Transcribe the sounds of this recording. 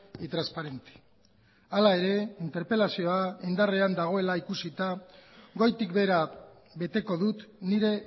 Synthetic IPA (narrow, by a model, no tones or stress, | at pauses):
it̪ɾaspaɾe̞nt̪e̥ | alae̞ɾe̞int̪e̞ɾpe̞lasio̞aind̪areand̪aɣ̞o̞e̞laikusit̪aɡo̞jt̪ikbe̞ɾa | βe̞t̪e̞ko̞ðut̪niɾe̞